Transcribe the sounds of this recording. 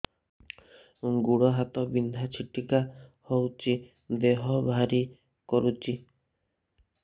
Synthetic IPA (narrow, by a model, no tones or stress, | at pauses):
ɡuɽɔɦat̪ɔbind̪ʱat͡ʃʰiʈikahowt͡ʃi | d̪eɦɔbʱaɾi | kɔɾut͡ʃi